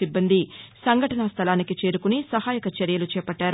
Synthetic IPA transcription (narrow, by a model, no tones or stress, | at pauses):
ibːɐnd̪isɐŋɡʱɐʈɐnɐst̪ʰɐlaːnikit͡ʃe̞ːɾukunisɐhaːjɐkɐt͡ʃɐɾjɐlut͡ʃɛːpɐʈːaːɾ